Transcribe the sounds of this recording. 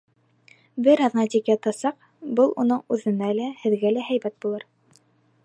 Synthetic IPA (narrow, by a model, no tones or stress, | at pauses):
bɘɾɑðnɑt̪ʲikjɑt̪ɑsɑq | bɤlˠunɤɴʉðɘ̆nælæhɘ̆ðɡælæɦæjbæt̪̚bulˠɤɾ